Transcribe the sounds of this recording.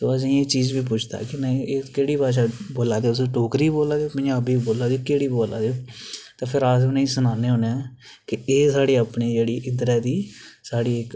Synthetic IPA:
t̪oːəsĩːeːt͡ʃiːd͡ʒbiːp̬ʊt͡ʃʰd̪a̰ːkɪnəĩeːkeːɽiːpaːʃ̬aːboːlaːd̪eosʈoːkɾiːboːlaːd̪eoːpd͡ʒaːbiːboːlaːd̪eoːkeːɽiːboːla̰ːd̪eoːt̪ãːpʰɪɾaːsʊnẽĩːsʊnaːneːɦoneãː | kɪeːsaːɽeːaːpneːd͡ʒeːɽiːʔɪd̪ɾɛːd̪iːsaːɽiːɪk

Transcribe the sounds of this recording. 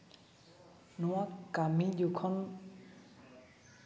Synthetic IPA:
nuwakːamijukʰɔn

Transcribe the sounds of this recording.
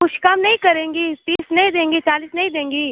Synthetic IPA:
ʊʃʰkaːmnɐɦĩkɐɾẽːŋɡiːt̪iːsnɐɦĩd̪ẽːŋɡiːt͡ʃaːliːsnɐɦĩd̪ẽːŋɡiː

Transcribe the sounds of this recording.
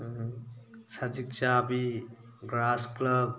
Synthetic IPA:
sad͡ʒik̚t͡ʃabiɡɾasklʌb̚

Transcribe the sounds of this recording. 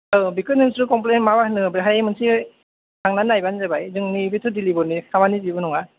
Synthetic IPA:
ɯbikʰɯnɯmsɾɯkɔmp̬lenmabahnɯbiɦajmɯnsi | naŋnanajbanzabajzɯŋnibitʰɯdilibɔnikʰamanizibɯnɔŋa

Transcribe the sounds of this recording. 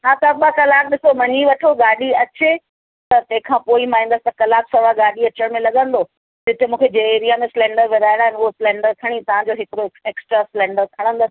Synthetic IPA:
ɦaːt̪ɐɓakɐlaːk̚ɗɪsomɐɲiʋɐʈʰoɡaːɗiɐt͡ɕe | t̪ɐt̪ɐ̃ɦɪ̃kʰãːpoːimaːĩnd̪əsɪ̥t̪ɐkɐlaːbsɐʋaɡaːɖiɐt͡ɕəɽ̃mẽlɐɠə̃nd̪o | d͡ʑɪt̪ɪmũːkʰed͡ʑeeːɾijamẽsɪlɛ̃ːɳɖəɾʋɪɾaːɪɽ̃aːɦɪnʊɦoslɛ̃ːɳɖəɾk̪ʰɐɽ̃it̪ɐʋ̤ãd͡ʑoɦɪkɪɾoeːksʈɾasɪlɛ̃ːɳɖəɾk̪ʰɐɽ̃ə̃nd̪əsɪ̥

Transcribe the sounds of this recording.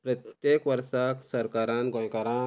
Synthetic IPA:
pɾɐt̪jekʋəɾʃaksɐɾkaɾanɡɔ̃jkaɾa

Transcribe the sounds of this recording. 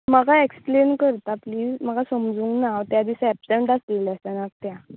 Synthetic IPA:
məɡaeksplenkəɾt̪apliːd͡zməɡasəmd͡zuːŋknaʋt̪jad̪isɛpseɳʈasleləst̪anak̚t̪ja

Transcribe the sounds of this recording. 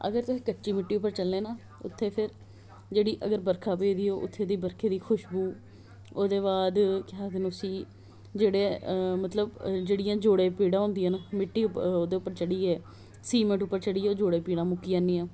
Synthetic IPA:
ə̰ɡəɾt̪ʊsĩːkəʈːt͡ʃiːmɪʈːiːʊpːəɾt͡ʃəlːeːnaː | ʊ̰t̪ʰːeːpʰɪɾ | d͡ʒeːɽiːʔəɡəɾbəɾkʰaːpeːd̪iːoːʔʊ̰t̪ʰːeːd̪iːbəɾkʰeːd̪iːkʰʊʃbuː | oːd̪eːbaːd̪kɪɦaːd̪enːsiː | d͡ʒeːɽeːmət̪ləbd͡ʒeːɽɪjãːd͡ʒoːɽeːpiːɽãːɦõːnd̪ɪjãːnaːmɪʈːiːʊoːd̪eːʊpːəɾt͡ʃəɽiːɛː | siːmə̃ɳʈʊpːəɾt͡ʃəɽiːɛoːd͡ʒoːɽeːpiːɽãːmʊkːiːaːnːiːãː

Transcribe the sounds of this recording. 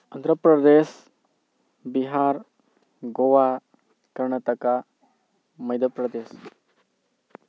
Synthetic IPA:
ɐnd̪ɾəpɾɐd̪es | biɦaɾ | ɡoʋa | kəɾɳət̪əka | mɐjd̪əpɾəd̪es

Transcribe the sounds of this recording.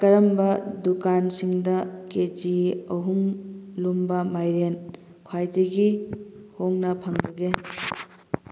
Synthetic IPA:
kɐɾɐmbɐdukansiŋdɐked͡ʒiɐɦuŋlumbɐmajɾen | kʰwajdɐɡihoŋnɐpʰɐŋbɐɡe

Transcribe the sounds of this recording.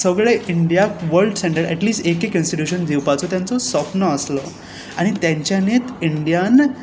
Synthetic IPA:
səɡɭeʔiɳɖijakʋəɾɖseɳʈəɾɛʈliːsʈekekənsʈiʈjuɕənd̪ewpat͡sɔt̪jãnt͡sɔsɔpnəəslɔ | aɽ̃it̪jãɲt͡ɕjanet̪iɳɖijan

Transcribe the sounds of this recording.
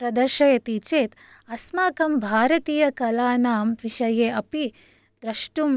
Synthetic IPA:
pɾɐd̪ɐɾʃɐjɐt̪it͡ʃeːt̪ | ɐsmaːkɐmbʱaːɾɐt̪iːjɐkɐlaːnaːmʋiʃɐjeːʔɐpi | d̪ɾɐʃʈum

